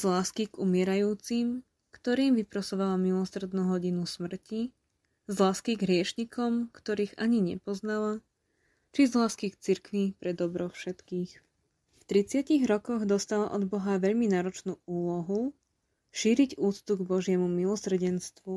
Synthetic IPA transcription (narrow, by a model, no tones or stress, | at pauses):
zlaːskiɡumɪɛɾajuːt͡sim | kt̪ɔɾiːmʋipɾɔsɔʋalamilɔsr̩d̪nuːɦɔɟinusmr̩ci | zlaːskiɡɦɾɪɛʃɲikʰɔmkt̪ɔɾiːɣaɲiɲɛ̰pɔznala | t͡ʃizlaːskikt͡siɾkʋipɾɛd̪ɔbɾɔfʃɛt̪kiːx | ft̪ɾit͡sɪaciɣɾɔkɔɣd̪ɔst̪alaʔɔd̪bɔɦaʋɛʎminaːɾɔt͡ʃnuːuːlɔɦu | ʃiːɾiɟuːt͡st̪uɡbɔʒɪɛmumilɔsr̩ɟɛnst̪ʋu